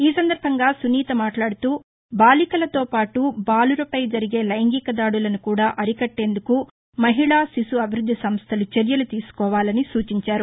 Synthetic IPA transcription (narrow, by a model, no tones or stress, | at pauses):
iːsɐnd̪ɐɾbʱɐŋɡaːsuniːt̪ɐmaːʈlaːɽut̪uː | baːlikɐlɐt̪oːpaːʈubaːluɾɐpɐjd͡ʒɐɾiɡe̞ːlɐjɐŋɡikɐd̪aːɽulɐnukuːɽaːʔɐɾikɐʈːe̞ːnd̪uku | mɐɦiɭaːsisuɐbʱiɾud̪ʱːisɐmst̪ʰɐlut͡ʃeɾjɐlut̪iːsu̥kɔːʋaːlɐnisuːt͡ʃiɲt͡ʃaːɾu